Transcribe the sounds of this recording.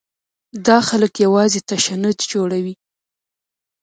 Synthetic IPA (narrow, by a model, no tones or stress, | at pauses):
d̪ɑxaləkjawɑzet̪aʃanʊd̪d͡ʒoɽawi